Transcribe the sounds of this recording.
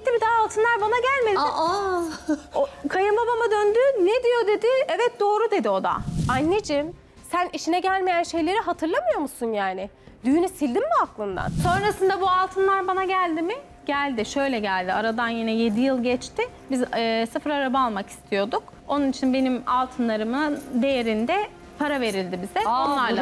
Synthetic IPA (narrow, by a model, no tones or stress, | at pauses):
t̪ːimid̪aːlˠt̪ʰɯnlˠaɾbanaɟælʲmed̪ʲɪa | okʰajɯmbabamad̪ønd̪yned̪ijo̞d̪e̞d̪ɪɛvɛt̪̚d̪o̞ːɾud̪e̞d̪io̞d̪a̰anːed͡ʒim | sæniʃinɛɟælʲme̞jænʃe̞jlʲe̞ɾiɦat̪ʰɯɾlˠamɯjo̞musunjaːnɪ | d̪yjynysilʲd̪imbuaklˠɯnd̪a̰nso̞nɾasɯnd̪abualˠt̪ʰɯnlˠaɾbanaɟælʲd̪imɪ | ɟælʲd̪ɪʃø̞jlʲɛɟælʲd̪ɪaɾad̪anjinɛje̞d̪ijɯlˠɟɛt͡ʃt̪ɪ | bizsɯfɾaɾabaːlˠmaki̥st̪ʰijo̞d̪uk | o̞nunit͡ʃʰinbe̞nimalˠt̪ʰɯnlˠaɾɯmɯnd̪e̞jeɾind̪ɛ | pʰaɾave̞ɾilʲd̪ibizɛoonlˠaɾˠa